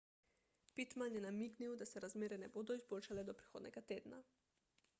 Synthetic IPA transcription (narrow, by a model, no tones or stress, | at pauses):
pit̪manjɛnamiɡniwd̪asɛɾazmɛɾɛnɛbud̪ɔizbɔlʲʃalɛd̪ɔpɾi̥xod̪nɛ̰ɡat̪ed̪na̰